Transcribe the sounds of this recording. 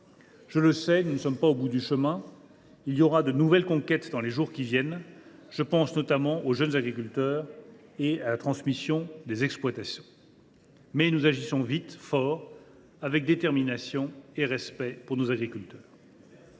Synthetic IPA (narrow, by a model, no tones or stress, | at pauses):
ʒ̥ələsɛnunəsɔmpaobud̪yʃəmɛ̃ | iljɔʁad̪ənuvɛlkɔ̃kʲɛt̪d̪ɑ̃leʒuʁkʲivjɛn | ʒ̥əpɑ̃snɔt̪amɑ̃ʔoʒənzaɡʁikʲylt̪œːʁealat̪χɑ̃smisjɔ̃d̪ezɛksplwat̪asjɔ̃ | mɛnuzaʒisɔ̃vit̪fɔʁ | avɛk̚d̪et̪ɛʁminasjɔ̃eʁɛspɛpuʁnozaɡʁikʲylt̪œːʁ